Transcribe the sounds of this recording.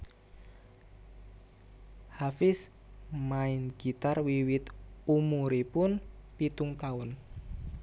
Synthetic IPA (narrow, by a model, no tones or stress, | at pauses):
hafɪs | maɪnɡ̥it̪arwiwɪt̪umuɾepʊnpit̪uŋt̪awʊn